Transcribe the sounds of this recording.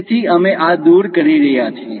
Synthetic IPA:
t̪ʰiəmeʔad̪uɾkəɾiɾəɦjat͡ʃʰe

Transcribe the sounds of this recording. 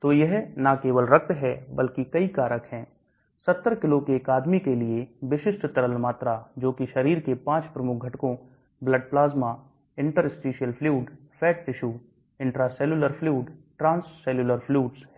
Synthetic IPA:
t̪oːjɛɦnakeːʋəlɾɐk̚t̪ɦɛbɐlkikɐikaːɾəkɦɛ̃ː | sɐt̪ːəɾkɪlokeːkaːd̪mikelieʋɪʃɪsʈt̪ɐɾəlmaːt̪ɾad͡ʒoːkiʃɐɾiːɾkepãːt͡ʃpɾɐmʊk̚ʰɡʱɐʈkõ | bləɖ̚plaːzmaː | ɪ̃ɳʈəɾɪsʈiːʃijəlpʰluːɖ | fʰɛːʈ̚t̪ɪʃuː | ɪ̃ɳʈɾasɛːluləɾpʰluːɖʈɾãːnsːɛːluləɾpʰluːʈsɦɛː

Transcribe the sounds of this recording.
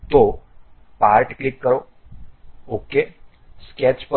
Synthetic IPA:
t̪o | paɾʈklikːəɾo | oke | skɛt͡ʃp

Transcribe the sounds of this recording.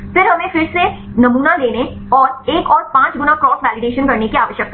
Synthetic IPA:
fɪɾɦɐmẽfɪɾsenɐmuːnaleːneɔːɾeːkɔːɾpãːt͡ʃɡʊnakɾɔːsʋɛːlɪɖeːʃənkɐɾnekiaːʋəʃjək̚t̪a

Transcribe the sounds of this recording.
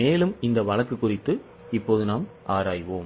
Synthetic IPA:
eːlɯmɪnd̪ɐʋɐɭɐkːɯkːʊrɪt̪ːɯ | ɪpːoːðɯnaːmʔaːɾaːjʋoːm

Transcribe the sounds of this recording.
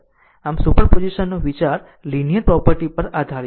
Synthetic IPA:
amsupəɾpod͡ʒiʃənːoʋit͡ʃaɾ | linijəɾpɾɔpəɾʈipəɾad̪ʱaɾ

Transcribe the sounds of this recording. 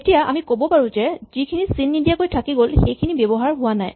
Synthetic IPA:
etijaʔa̰mikobɔpaɹũzɛz̥ikʰinisinːidijakojtʰakiɡolxejkʰinibebɔɦaɹɦʊwanaj

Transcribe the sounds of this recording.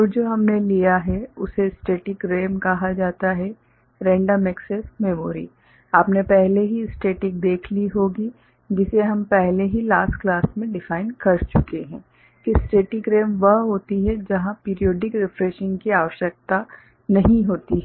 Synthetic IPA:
ɔːɾd͡ʒoːɦɐmnelijaɦɛʊsesʈeːʈɪkɾeːmkɐɦad͡ʒaːt̪aɦɛ | ɾɛ̃ːɳɖəmɛksesmeːmoːɾḭ | aːpnepɛɦleɦiɪsʈeːʈɪk̚d̪eːkʰliɦoːɡi | d͡ʒɪseɦɐmpɛɦleɦilaːsʈklaːsmẽɖɪfaːɪnkɐɾt͡ʃʊkeɦɛ̰̃ː | kisʈeːʈɪkɾeːmʋɐɦɦoːt̪iɦɛd͡ʒɐɦãpiːɾijoːɖɪkɾɪfɾeːʃɪ̃ŋɡkiaːʋəʃjək̚t̪a | nɐɦĩɦoːt̪iɦɛ

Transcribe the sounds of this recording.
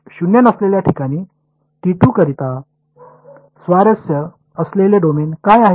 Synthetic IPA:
ɕunjenəsleljaʈʰikaɽ̃iː | ʈ̪iʈuːkəɾit̪a | sʋaɾəsjə | əsleleɖomenkajaɦ

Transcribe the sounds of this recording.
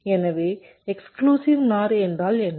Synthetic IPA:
ɛnɐʋeː | ɛkskluːsiʋnaːɾɛndraːlɛnː

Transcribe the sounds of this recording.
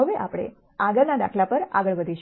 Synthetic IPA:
əʋeʔa̰pɽ̃ḛ | aɡəɾnad̪a̰kʰlapəɾa̰ɡəɭʋəd̪ʱiʃ

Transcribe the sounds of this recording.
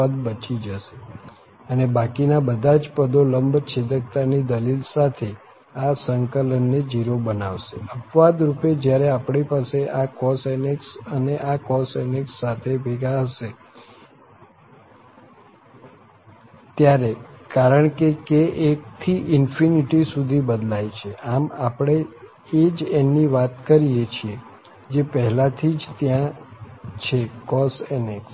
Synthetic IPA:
əd̪bət͡ʃid͡ʒəʃe̥ | ənebakinabəd̪ʱad͡ʒpəd̪oləmbʱt͡ʃʰed̪ək̚t̪anid̪əlilsat̪ʰe | asəŋkələnːed͡ʒiɾobənaʋʃeəpʋad̪ɾuped͡ʒjaɾeapɳipaseʔakɔseneksəneʔakɔsɛneksːat̪ʰebeɡaɦəʃe | t̪jaɾekaɾəɳkekeʔek̚t̪ʰiʔɪnfiniʈisud̪ʱibəd̪lajt͡ʃʰeʔamapɽ̃e | ed͡ʒenːiʋat̪kəɾijet͡ʃʰie | d͡ʒepəɦɛlat̪ʰid͡ʒt̪jã | t͡ʃʰekɔsɛneks

